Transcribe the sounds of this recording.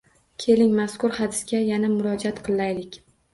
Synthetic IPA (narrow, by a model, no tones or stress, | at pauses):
kʲʰe̞lɪŋmaskʊɾhad̪ɪsɡʲajanamʊɾɒd͡ʒat̪qʰɨlˠːajlɪkʲ